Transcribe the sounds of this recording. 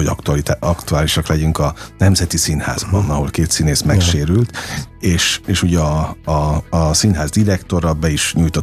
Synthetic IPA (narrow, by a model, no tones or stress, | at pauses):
oɒk̪ɒkt̪uaːliʃɒklɛɟyŋkɒnɛmzɛt̪isinha̰ːzbɒnɒɦo̞lkeːt̪sineːsmɛkʃeːɾylt̪eːʃeːʃuɟɛɒː | sinɦaːzd̪iɾɛkt̪o̞ɾɒbɛiʃɲujt̪o